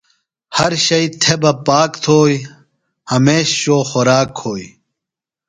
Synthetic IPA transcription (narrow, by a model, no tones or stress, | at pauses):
hɐɾɕɐjt̪ʰebɐpaːkt̪ʰoːj | hɐmeːɕɕoːxoɾaːkʰhoːj